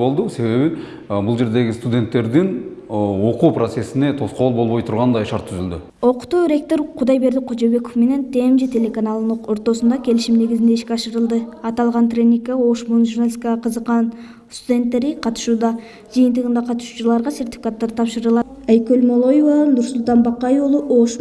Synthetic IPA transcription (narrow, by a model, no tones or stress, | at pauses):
o̞lˠd̪əse̞βe̞bɪ | bʊlˠʒe̞ɾd̪e̞ɡʲɪst̪ud̪ʲe̞nt̪ːe̞ɾd̪ɪn | o̞qupɾot̪se̞sɪne̞t̪ʰo̞sqo̞lˠbo̞lˠbo̞jt̪ʰʊɾʁɑnd̪ɑjʃɑ̰ɾt̪ʰːʏzɪld̪ɪ | o̞qt̪uɾe̞k̚t̪o̞ɾqʰʊd̪ɑjbe̞ɾd̪ɪqʰod͡ʒebe̞kofme̞ne̞nt̪ʰe̞mʒɪt̪ʰʲe̞lekanɑlˠnqo̞ɾt̪o̞sənd̪ɑkʲʰe̞lɪʃɪmne̞ɡʲɪzɪnd̪eɪʃkʲeɑʃəɾəlˠd̪əɑt̪ɑlˠʁɑnt̪rʲe̞nʲːikːao̞ʃmonʒurnalʲiskaʁɑqʰəzəqːɑn | st̪ud̪ʲe̞nt̪ːe̞ɾɪqʰɑt̪ə̥ʃud̪ɑ | ʒijənt̪əʁənd̪ɑqʰɑt̪ə̥ʃu̥t͡ʃʊɾlˠɑɾʁɑse̞rt̪ʲi̥fi̥kat̪ːɑɾt̪ʰɑpʃəɾəlˠɑæjkʲølmo̞lˠo̞jovɑnʊɾsʊlˠt̪ɑnbɑqːɑjolˠoʔoʃ